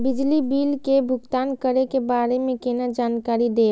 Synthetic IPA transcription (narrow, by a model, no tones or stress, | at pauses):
bid͡ʒlibilkebʱʊɡt̪aːnkəɾekebaɾemẽkenad͡ʒaːnkaɾid̪eː